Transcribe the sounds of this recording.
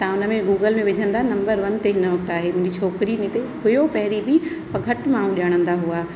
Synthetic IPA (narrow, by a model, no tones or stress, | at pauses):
t̪ɐ̃ʊnə̆mẽɡuːɡəlmẽʋɪd͡ʑʱə̃nd̪anɐ̃mbəɾʋɐnt̪eɦɪnəʋɐk̚t̪aːɦemũːd͡ʑit͡ɕʰoːkɾinẽt̪eɦʊjopɐɦɾibɪ | pɐɡʱɐʈmãːɽ̃ũɗjaːɽ̃ə̃nd̪aɦuaː